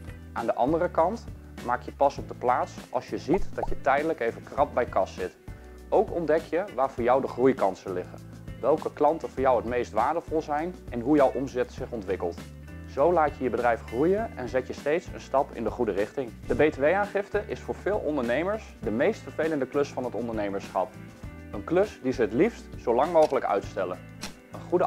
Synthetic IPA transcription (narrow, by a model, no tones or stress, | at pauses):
ʔaːndəʔɑndərəkɑnt | maːkjəpɑsɔb̚dəplaːtsʔɑ̰lˠsjəzitd̥ɑtjətɛjdələkejvəkrɑp̚bɛjkɑsːɪt | owkɔndɛkjəʋaːɹvʊːɹjɔwdəχrujkɑntsəlɪχə̰n | ʋɛlˠkəklɑntəvʊːɹjʌwɦətmejstʋaːɹdəvɔlˠzɛjnɛnɦujɔwʔɔmzɛtsɪχɔntʋɪkəlˠt | z̥owlaːcəjəbədrɛjfχrujənɛ̰nzɛtjəstejtsə̰nstɑpɪ̰ndəχudərɪχtɪŋdəbejteʋejaːnχɪftəʔɪsfʊːɹv̥ɪːlˠɔ̰ndəɹnejməɹs | dəmejstfəɹvejləndəklɵsfɑnɦətɔndəɹnejməɹsχɑ̰pənklɵsdizəɦətlifstsowlɑŋmowχələkœ̰ɥtstɛlən | ənχudə